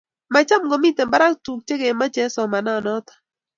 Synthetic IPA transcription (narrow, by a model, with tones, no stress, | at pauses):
ma˨t͡ʃa˦mɡɔ˨mi˦te˨mba˦ɾa˦tu˨k̚t͡ʃe˦ɡe˨ma˦t͡ʃɛ˦sɔ˨ma˨na˦˨nɔ˦t̪ḁ˨